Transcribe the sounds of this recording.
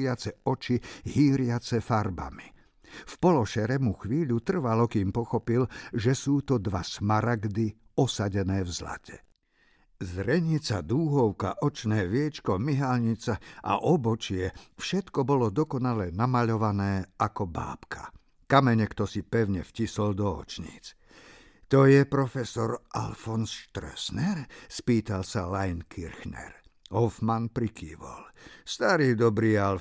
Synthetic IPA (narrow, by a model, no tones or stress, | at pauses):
ɪat͡sɛɔt͡ʃiɦiːɾɪat͡sɛfaɾba̰mi | fpɔlɔʃɛɾɛmuxʋiːʎut̪r̩ʋalɔkiːmpɔxɔpilʒɛsuːt̪ɔd̪ʋasmaɾaɡd̪i | ɔsaɟɛnɛːvzla̰cʰɛ̥ | zɾɛɲit͡sad̪uːɦɔʊka̰ʔɔt͡ʃnɛːʋɪɛt͡ʃkɔmiɦalɲit͡saʔa̰ʔɔbɔt͡ʃɪɛfʃɛt̪kɔbɔlɔd̪ɔkɔnalɛnamaʎɔʋanɛːakɔba̰ːpkʰḁ | kamɛɲɛkt̪ɔsipɛʊɲɛfcisɔld̪ɔɔ̰t͡ʃɲḭːt͡s | t̪ɔjɛpɾɔfɛsɔɾʔa̰lfɔnsʃt̪ɾɛ̰snɛɾspiːt̪alsalajnkʰiɾxnɛ̰ɾhɔfmanpɾikiːʋɔ̰lst̪aɾiːd̪ɔbɾiːal